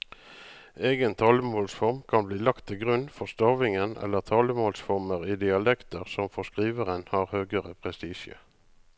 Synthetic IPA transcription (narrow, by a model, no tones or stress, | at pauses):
eːɡənt̪ʰɑːləmoːlsfɔʁmkʰɑnbliːlɑkt̪ʰːɪlɡʁʉnfɔʁst̪ɑːʋɪŋənɛ̰lːəʁt̪ʰɑːləmoːlsfɔʁməʁiːd̪ɪɑlɛkt̪əʁsɔmfɔʁskʁiːʋəʁənhɑːʁhøːɡəʁəpʰʁɛst̪iːʃə̰